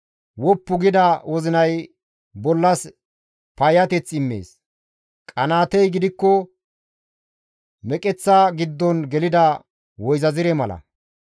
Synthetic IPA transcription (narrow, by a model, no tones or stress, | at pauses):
wɔpːʊɡɪd̪ɐwɔzɪnɐj | bɔlːɐs | pɐjɐt̪ɛt͡sːɪmːḛːs | kʼɐnaːt̪ɛjɡɪd̪ɪkːɔ | mɛkʼɛt͡sːaɡɪd̪ːɔnɡɛlɪd̪ɐ | wɔjzɐzɪɾɛmɐlɐ̰